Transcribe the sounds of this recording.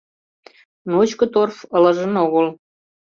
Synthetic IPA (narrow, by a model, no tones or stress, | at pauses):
not͡ɕkɤ̆t̪orfəlɤ̆ʒə̆noɣəl